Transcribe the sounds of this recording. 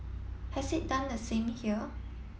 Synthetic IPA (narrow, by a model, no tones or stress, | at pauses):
hɛsit̚dãndəsẽmhiə